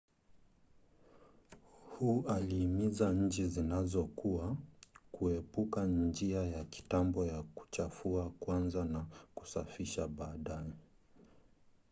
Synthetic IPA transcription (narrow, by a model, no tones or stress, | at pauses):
huːaliːmizaɲ̩t͡ʃizinazɔkuakuɛpukand͡ʒiajaki̥tambɔjaku̥t͡ʃafuakwanzanaku̥safiʃaɓaːɗajɛ